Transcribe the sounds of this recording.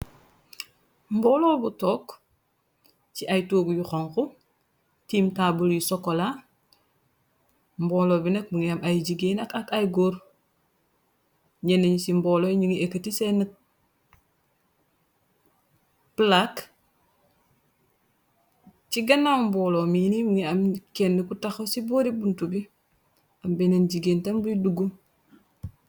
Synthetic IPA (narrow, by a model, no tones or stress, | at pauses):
mbɔːloːbutok | t͡ʃiʔajtuːɡujuxoŋku | tiːmtaːbuljisokola | mboːloːbinek̚buŋamajɟiɡeːnakakajɡoɾ | ɲeneɲsimbɔlojɲiŋiekətisenə | plak | t͡ʃiɡanamboːlominimuŋeamkenːikutaxosiboːɾibuntubi | ambenenɟiɡeːntambuduɡu